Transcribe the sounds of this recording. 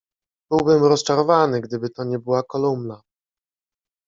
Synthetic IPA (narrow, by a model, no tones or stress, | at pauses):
b̥ɘwbɘmɾɔst͡ʂaɾɔvanɘɡd̪ɘbɘt̪ɔɲɛbɘwakɔlumna